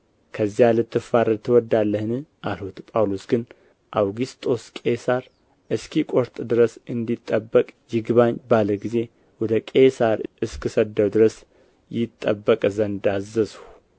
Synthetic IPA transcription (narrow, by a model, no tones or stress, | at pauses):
kʰəzːijalɨt̪ʰːɨfaɾəlt̪ʰːɨwɔd̪ːalːəhnɨʔalhut̪pʼawlosɡɨn | ʔawɡist̪ʼo̞skʼe̞saɾ | ɨskʰikʼoɾt̪ʼd̪ɨɾəsɨnd̪it̪ʼːəbːəkʼjɪɡβaɲbaləɡize̞ | wɔd̪əkʼesaɾʔɨskʰɨsəd̪ːəwd̪ɨɾəs | jɪt̪ʼːəbːəkʼzənd̪azəshu